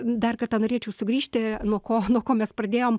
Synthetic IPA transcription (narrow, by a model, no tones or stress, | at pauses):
d̪ɐrkɐrt̪ɐnoːɾʲeːt͡ʃʲɛʊsʊɡɾʲiːʃʲt̪ʲɪnuɔkoːnuɔkoːmʲɛsprɐd̪ʲeːjoːm